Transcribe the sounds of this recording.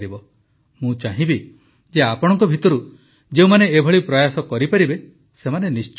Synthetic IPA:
ɾibɔ | mũt͡ʃaɦĩbi | d͡ʒeapɔɽɔ̃ŋkɔbʱit̪ɔɾu | d͡ʒeũmaneːbʱɔɭipɾɔjasɔkɔɾipaɾibe | semanenist͡ʃ

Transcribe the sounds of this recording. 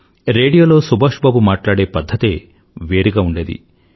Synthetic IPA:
ɾe̞ːɽijoːlo̞ːsubʱaːʂbaːbumaːʈlaːɽe̞ːpɐd̪ʱːɐt̪eː | ʋe̞ːɾiɡaːuɳɖeːd̪ḭ

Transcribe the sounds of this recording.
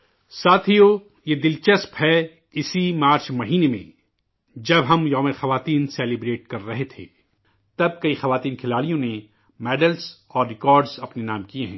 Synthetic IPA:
saːt̪ʰijo | jed̪ɪlt͡ʃɐspɦɛ | ɪsimaːɾt͡ʃmɐɦiːnemḛ̃ | d͡ʒɐbɦɐmjɔːmeɾxɐʋaːt̪iːnseːlɪbɾeːʈ̚kɐɾːɐɦet̪ʰḛː | t̪ɐb̚kɐixɐʋaːt̪iːnkʰɪlaːɽijõne | mɛːɖəlzɔːɾːɪkɔːɾɖzɐpnenaːmkieɦɛ̃ː

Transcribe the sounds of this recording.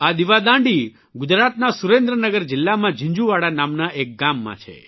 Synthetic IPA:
ad̪iʋad̪ãɳɖi | ɡʊd͡ʒɾat̪nasuɾẽnd̪ɾənəɡəɾd͡ʒɪlːamãd͡ʒĩɲd͡ʒuʋaɽanamnaʔek̚ɡamːã̰t͡ʃʰḛ

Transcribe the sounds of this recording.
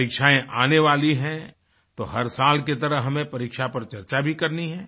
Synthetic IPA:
ɾiːkʃaẽʔaːneʋaːliɦɛ̃ | t̪oːɦɐɾsaːlket̪ɐɾəɦɦɐmẽpɐɾiːkʃapɐɾt͡ʃɐɾt͡ʃabʱikɐɾniɦɛ̃ː

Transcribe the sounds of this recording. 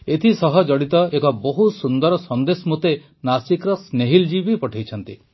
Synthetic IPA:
et̪ʰisɔɦɔd͡ʒɔɽit̪ɔekɔboɦusund̪ɔɾɔsɔnd̪esɔmut̪e | nasikɾɔsneɦild͡ʒibipɔʈʰajt͡ʃʰɔnt̪i

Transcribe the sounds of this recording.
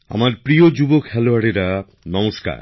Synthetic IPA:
a̰maɾpɾiod͡ʑubokhɛloaɽeɾa | nɔmoʃka̰ɾ

